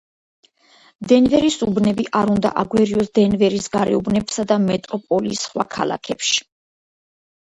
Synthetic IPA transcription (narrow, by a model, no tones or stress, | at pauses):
d̪ɛnvɛɾisubnɛbiʔaɾund̪a̰ʔaɡwɛɾiɔsd̪ɛnvɛɾisɡaɾɛubnɛbsad̪amɛt̪ʼɾɔpʼɔlisχwa̰kʰa̰la̰kʰɛpʃi̥